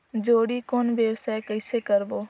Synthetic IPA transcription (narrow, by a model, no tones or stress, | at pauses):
d͡ʒoːɽiːkoːnʋjəwsaːekəɪsekəɾboː